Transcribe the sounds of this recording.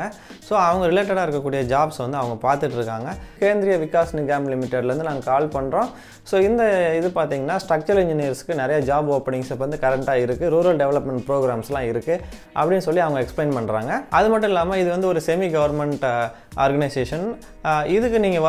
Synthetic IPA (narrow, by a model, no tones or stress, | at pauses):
ɐ | soːɐʋɐŋɡɐɾɪleːʈ̬ːɐɽaːɪɾɯkːɐkːuːɽɪjɐd͡ʒaːbsʋɐnd̪ɯɐʋɐŋɡɐpaːɾt̪ɯʈːɪɾɯkːaːŋɡɐkeːnd̪ɾɪjɐʋɪkːaːsnɪɡaːmlɪmɪʈːeɖlɾɯnd̪ɯnaːŋɡɐkaːlpɐɳːɾõː | soːɪnd̪ɐɪðɯpaːɾt̪iːŋɡɐnːaːsʈɾɐk̚t͡ʃɐɾɪɲd͡ʒɪnijɐɾsɯ̥kːɯnɪɾɐjaːd͡ʒaːboːpɐɳɪŋsʋɐnd̪ɯkɐɾɛɳʈaːɪɾɯkːɯɾuːɾɐlɖɛʋɛlɐpmɛɳʈ̚pɾoːɡɾaːmslãːɪɾɯkːɯ | ʔɐ̰pːɐɽɪnːɯsɔlːiɐʋɐŋɡɐɛksplɐɪnpɐɳːɾa̰ːŋɡɐɐðɯmɐʈːʊ̃mɪlːaːmɐɪðɯʋɐnd̪ɯɔɾɯsɛmiɡɐʋɐɾmɛɳʈ | a̰ːɾɡɐnɐɪseːʂɐn | ɪðɯkːɯniːŋɡɐ